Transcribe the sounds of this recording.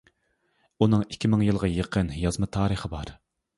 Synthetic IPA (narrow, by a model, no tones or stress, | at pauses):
unɨŋikʲʰːimɪŋjɨlˠʁɑjəqʰənjɑzmɨt̪ʰɑːɾəχəbɑɾ